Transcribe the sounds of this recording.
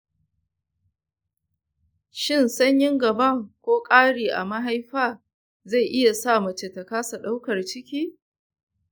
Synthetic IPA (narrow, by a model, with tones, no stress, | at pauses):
ʃɪ˦˨nsɐ˦ɲjɪ˦ŋɡɐ˨bɐ˦kʷoː˦kʼaː˦ɽiː˨ʔa̰˨mɐ˦ɦa˦jɸaː˦ | za˦˨jʔɪ˦ja˨saː˦˨mɐ˨t͡ʃe˨tɐ˨kaː˦sa˨ɗa˦wkɐ˨rt͡ʃɪ˦kʲiː˦